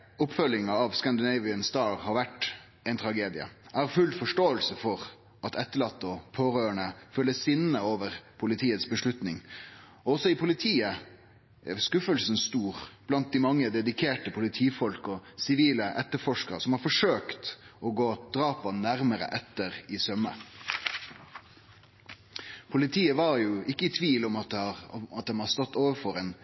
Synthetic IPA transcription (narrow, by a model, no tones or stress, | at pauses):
ʊpfœlːɪŋɑɑʋskɑnd̪ɪnɛɪʋɪənsd̪ɑːɾhɑɾʋæʈ | æɪnt̪ʰɾɑɡeːd̪ɪə̰ʔæɾfʉlfɔʂʈoːəlsəfɔɾ | ʔɑt̪ʰɛt̪ːəɭɑt̪ːəɔpʰoːɾøːəɳəfœlːəsɪnːəoːʋəɾpʰʊlɪt̪ʰiːət̪sbəʂɭʉt̪nɪŋ | ɔɔsɔɪpʰʊlɪt̪ʰiːə | ɛskʉfəlsən̩st̪uːɾb̥lɑnt̪̚d̪ɪmɑŋːəd̪ɛd̪ɪkʰeːʈəpʰʊlɪt̪ʰiːfɔlkɔsɪʋiːləʔɛt̪ːəɾfɔʂkəɾəsɔmhɑɾfɔʂøːkt̪ʔɔɡoːd̪̥ɾɑːpɑnæɾməɾə̰ʔɛt̪ːəɾɪsœmə̰ | pʰʊlɪt̪ʰiːəʋɑɾjʊɪkːəɪt̪ʰʋiːlɔm | ɑt̪̚d̪ɛnhɑst̪ɔt̪ːoːʋəɾfɔɾeːn